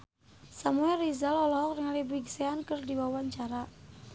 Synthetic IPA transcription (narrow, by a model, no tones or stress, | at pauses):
samuɛrizalɔlɔɔk̚rɪŋalibiɡseankərdiwawaɲt͡ʃaɾa